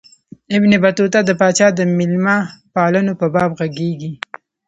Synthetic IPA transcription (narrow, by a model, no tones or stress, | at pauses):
ɪbnebat̪ot̪ad̪əpɑt͡ʃɑd̪əmɪlmapɑlənopəbɑbɣaɡeɡi